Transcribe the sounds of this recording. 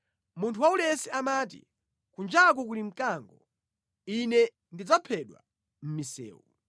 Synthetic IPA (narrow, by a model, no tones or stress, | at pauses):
muntʰuwaulɛsɛamaːt̬ḭ | kund͡ʒak̬ɔk̬ulim̩kaŋɡɔ | inɛ | ndid͡zapʰɛɗwa̰ | m̩misɛ̰ːwṵ